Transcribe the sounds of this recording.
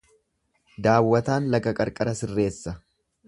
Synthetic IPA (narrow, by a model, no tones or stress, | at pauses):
d̪aːwːɐt̪aːnlɐɡɐkʼɐɾkʼɐɾɐsɪrːe̞ːsːɐ